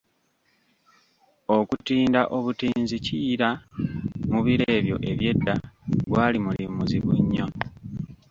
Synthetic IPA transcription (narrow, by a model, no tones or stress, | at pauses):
o̞kutiːndaʔo̞βutiːnziciɾa | muβiɾe̞ːβjo̞̰ʔe̞βje̞dːaɡwaːlimulimuziβuɲːo